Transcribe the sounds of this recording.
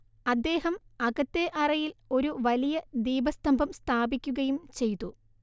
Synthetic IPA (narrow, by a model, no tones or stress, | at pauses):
ɐd̪ːe̞ːhɐmɐɣɐt̪ːe̞ʔɐrɐjilo̞ɾuʋɐlijɐd̪iːbɐst̪ɐmbʱɐmst̪ʰaːbikʲːuɣɐjumt͡ɕe̞jt̪ːu